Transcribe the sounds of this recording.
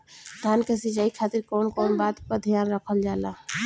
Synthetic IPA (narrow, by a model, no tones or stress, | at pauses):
d̪ʱjankesid͡ʒaikʰat̪iɾkɔːnkɔːnbat̪pəd̪ʱijanɾəkʰəld͡ʒala